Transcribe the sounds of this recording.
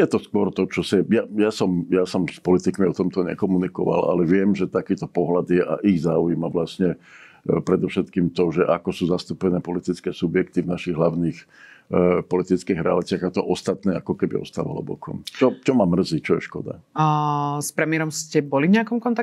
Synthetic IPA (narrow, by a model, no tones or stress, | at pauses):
jɛt̪ɔskwʊɔɾt̪ɔt͡ʃɔsɛjajasɔmjasɔmspɔlit̪ikmiɔt̪ɔmt̪ɔɲɛ̰kɔmunikɔʋa̰la̰lɛʋɪɛmʒɛt̪akiːt̪ɔpɔɦlad̪jɛʔa̰ʔiɣzaːujimaʋlasɲɛ | pɾɛd̪ɔfʃɛt̪kiːmt̪ɔʒɛʔakɔsuːzast̪upɛnɛːpɔlit̪it͡skɛːsubjɛkt̪ivnaʃiɣɦlaʊniːx | pɔlit̪it͡skiːɣɾɛalit͡sɪaɣat̪ɔʔɔst̪at̪nɛːa̰kɔkɛbḭɔ̰st̪aːʋa̰ɦlɔ̰bɔ̰kɔ̰mt͡ʃɔt͡ʃɔmamr̩zit͡ʃɔjɛ̰ʃkɔ̰d̪a̰ | spɾɛmɪɛɾɔmscɛbɔlivɲɛakɔmkɔnt̪a